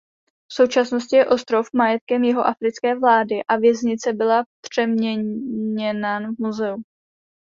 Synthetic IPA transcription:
fso̞wt͡ʃasno̞scɪjɛʔo̞st̪ɾo̞fmajɛt̪̚kɛmjɛɦo̞ʔafɾɪt͡skɛːvlaːdɪʔavjɛzɲɪt͡sɛbɪlapr̝̥ɛmɲɛɲɛnanvmuzɛu

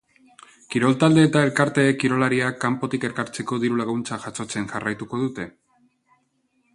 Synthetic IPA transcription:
kiɾo̞lt̪ald̪e̞ːt̪ae̞lkaɾt̪e̞kiɾo̞laɾiakːampo̞t̪ike̞ɾkaɾt͡se̞ko̞ðiɾulaɣunt͡saʝat͡so̞t͡se̞nʝarajt̪uko̞ð̞ut̪e̞

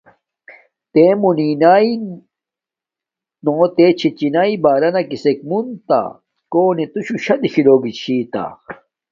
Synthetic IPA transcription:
t̪emuninaːi | noːt̪et͡ɕʰit͡ɕinaibaːɾɐnɐkisekmunt̪a̰ | koːnit̪uɕuɕɐd̪iɕiloːɡit͡ɕʰiːt̪a̰

